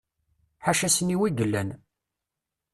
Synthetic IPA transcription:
ħaʃæsəniwiɡəlːæ̰n

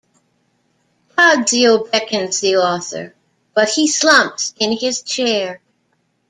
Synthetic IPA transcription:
kɑddilˠbɛkɨ̃nzðiɔθə̰˞ | b̥ʌt̚hislʌ̃mp̚sɪ̃nɪz̥t͡ʃʰɛɹ

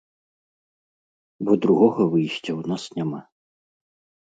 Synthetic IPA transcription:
bɔd̪ɾuɣɔɣɐvɨjɕʲt͡sʲɐwnasnʲama

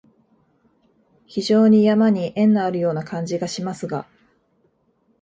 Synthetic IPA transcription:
çiʑo̞ːɲ̟ijamaɲ̟iʔẽ̞nːaaɾɯ̟jo̞ːnakãɲ̟d͡ʑiɡaɕimasɨɡa̰

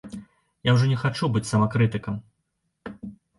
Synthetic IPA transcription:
jawʐɔnʲɛxat͡ʂubɨt͡sʲsɐmakɾɨt̪ɨkɐm

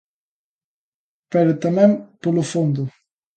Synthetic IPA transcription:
pɛɾot̪amɛmpolufond̪u

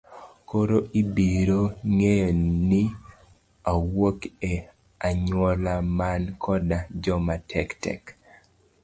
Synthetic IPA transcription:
koɾoʔibiɾoŋejni | awoke | aɲwɔlamankʰɔdad͡ʒɔmatʰɛktɛ̰k

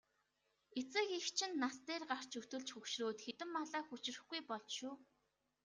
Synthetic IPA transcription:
et͡sɘ̆kixt͡ɕʰɪ̆nːast̪eːrɢar̥t͡ɕɵt̪ɵ̆ɮt͡ɕxɵkʃroːt̪xet̪ɘ̆mːaɮaːxut͡ɕ̆rɘ̆xɡujpɔɮʃuː

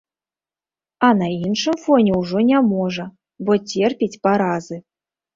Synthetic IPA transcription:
anainʂɨmfonʲeuʐonʲɛmoʐə | botʲerpʲetʲpaɾɑzɨ

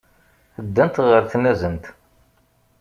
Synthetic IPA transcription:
əd̪ːænt̪ʁəɾθnæzənt̪

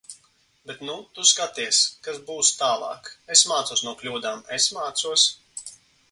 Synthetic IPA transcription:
bɛt̪nut̪uskat̪iɛskazbuːst̪aːlˠɑ̰ːkesmaːt̪suɔsnuɔklʲuːd̪aːmesmaːt̪suɔs

